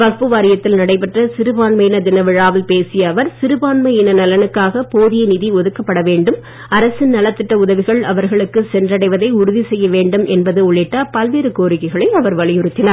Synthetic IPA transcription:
bɐkpɯʋaːɾɪjɐt̪ːɪlnɐɽɐɪpɐʈrɐsɪɾɯbaːnmɐjɪnɐd̪ɪnɐʋɪɻaːʋɪlpeːsɪjɐːʋɐɾsɪɾɯbaːnmɐjɪnɐnɐlɐnɯkːaːɣɐpoːðɪjɐniːðiɔðɯkːɐpːɐɽɐʋeːɳɖɯm | ɐɾɐsɯnɐlɐt̪ːɪʈːɐʊðɐʋɪɣɐɭɐʋɐɾɣɐɭɯkːɯsɛndrɐɽɐɪʋɐðɐɪʊɾʊðisɛjːɐʋeːɳɖɯmʔɛnbɐðɯɔɭːɪʈːaːpɐlʋeːɾɯkoːɾɪkːɐɪɣɐɭɐɪɐʋɐɾʋɐɭɪjɔɾɯt̪ːɪnaːɾ

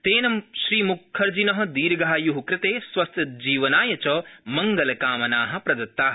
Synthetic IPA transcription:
t̪eːnɐmʃɾiːmukʰːɐɾd͡ʒinɐɦɐ̆d̪iːɾɡaːjuɦukɾɪt̪eːsʋɐst̪ɐd͡ʒiːʋɐnaːjɐt͡ʃoːmɐŋɡɐlɐkaːmɐnaːɦɐ̆pɾɐd̪ɐt̪ːaːɐ

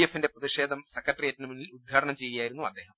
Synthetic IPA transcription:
jefːinde̞prɐðiʂe̞ːd̪ʱɐmsɐkːɐʈːrijetːɐnɐmɐnːilud̪̚ɡʱaːɾɐɳɐmt͡ɕe̞jːjaːjiɾunːuɐ̰d̪ːe̞ːhɐm

